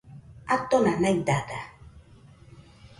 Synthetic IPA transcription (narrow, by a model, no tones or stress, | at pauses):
at̪ːonanajt̪at̪a